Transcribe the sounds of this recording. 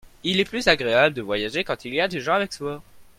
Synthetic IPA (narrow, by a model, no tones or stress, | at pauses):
ilɛplyzaɡʁeabləd̪əvwajaʒekɑ̃t̪iliad̪eʒɑ̃avɛkswa